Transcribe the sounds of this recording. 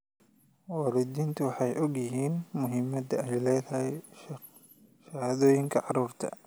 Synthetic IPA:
wɐɾɪd̪iːnt̪ʰʊwɑħɑjʔɔɡjɪɦiːnmʊɦɪmɐd̪ɐɛjlɛːðɐhɪj | ʃɐhaːðɔːjɪŋkʰɐʕɑruːrt̪ʰɐ̰

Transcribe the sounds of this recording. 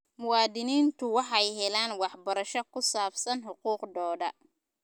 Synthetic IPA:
mʊwɑːd̪ɪniːnt̪ʰʊwɑħɑjɦɛlaːnwɑħbɐɾɐʃɔkʰʊsaːfsɐnħʊquːqd̪ɔːdɐ

